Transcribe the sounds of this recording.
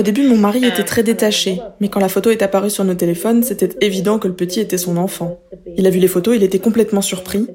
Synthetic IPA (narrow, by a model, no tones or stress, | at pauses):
od̪ebymɔ̃maʁiet̪ɛt̪χɛd̪et̪aʃemɛkɑ̃lafot̪oɛt̪apaʁysyʁnot̪elefɔnsɛt̪ɛt̪evid̪ɑ̃kələpət̪ʰiet̪ɛsɔ̃nɑ̃fɑ̃ | ilavylefot̪oilet̪ɛkɔ̃plɛt̪mɑ̃syʁpχi